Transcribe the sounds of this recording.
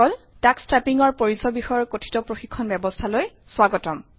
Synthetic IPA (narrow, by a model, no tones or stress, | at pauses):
ɔl | takstɹapiŋɔɹpoɹisɔbixɔjɔɹkotʰi̥tɔpɹoxikʰːɔnbjɛbɔstʰaloj | swaɡɔtɔm